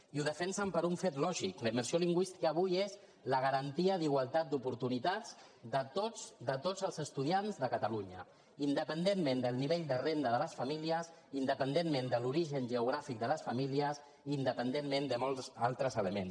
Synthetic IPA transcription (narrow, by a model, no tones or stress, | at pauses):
iuðəfɛnsəmpəɾuɱfet̪lɔʒikləiməɾsioliŋɡwist̪i̥kəːβujez | ləɣ̞əɾənt̪iəðiɣ̞walˠt̪at̪̚d̪upuɾt̪unit̪az | d̪ət̪ozd̪ət̪ozəlˠzəst̪uðianzðəkət̪əluɲə̰ | ind̪əpənd̪emːẽnd̪əlˠniβeʎd̪ərend̪əðələsfəmiliəs | ind̪əpənd̪emmẽnd̪əluɾiʒənʒəuɣ̞ɾafik̚d̪ələsfəmiliəsː | nd̪əpənd̪emːmend̪əmolˠzalˠt̪ɾəzələmḛns